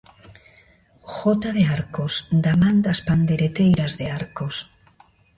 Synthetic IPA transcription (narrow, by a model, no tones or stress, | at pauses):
xot̪aðeaɾkosd̪amãnd̪aspand̪eɾet̪ejɾazðeaɾkos